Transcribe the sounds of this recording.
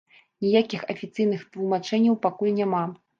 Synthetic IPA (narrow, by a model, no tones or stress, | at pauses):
nʲijakʲixɐfʲit̪sɨjnɨxt̪lˠumat͡ʂɛnʲːɐwpakulʲnʲama